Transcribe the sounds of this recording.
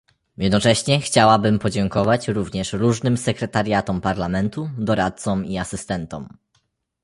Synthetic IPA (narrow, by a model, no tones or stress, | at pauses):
jɛd̪nɔt͡ʂɛɕɲɛxt͡ɕawabɘmpɔd͡ʑɛŋkɔvat͡ɕɾuvɲɛʂɾuʐnɘmsɛkɾɛt̪aɾʲjat̪ɔmpaɾlamɛnt̪ud̪ɔɾat̪̚sɔmiasɘst̪ɛnt̪ɔ̰m